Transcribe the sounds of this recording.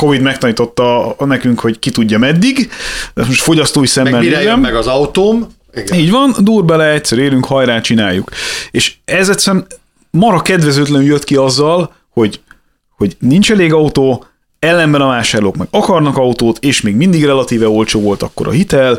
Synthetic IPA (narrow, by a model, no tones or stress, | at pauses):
ko̞vid̪mɛk̚t̪ɒniːt̪o̞t̪ːɒnɛkyŋkho̞ɟkit̪uɟːɒmɛd̪ːiɡɛmoʃt̪fo̞ɟɒst̪oːisɛmːɛlːɛmmɛɡɒzɒut̪oːm | iːɟvɒnd̪uːrbɛlɛɛcsɛɾeːɾyŋkhɒjɾaːt͡ʃinaːjːukeːʃɛzɛt̪sɛɾɛm | mɒɾɒkɛd̪vɛzøːt̪lɛnyljøt̪kiɒzːɒl | ho̞ɟ | ho̞ɟnint͡ʃɛleːɡɒut̪oː | ɛlːɛmbɛnɒvaːʃaːrloːkmɛɡ̥ɒkɒrnɒkɒut̪oːt̪eːʃmeːɡmind̪iɡrɛlɒt̪iːvɛo̞lt͡ʃoːvo̞lt̪ɒkːo̞ɾɒ̰ɦit̪ɛl